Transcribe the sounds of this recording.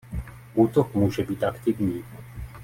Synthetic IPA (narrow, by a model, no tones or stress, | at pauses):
ʔuːt̪okmuːʒɛbiːt̪ʔakt̪ɪvɲiː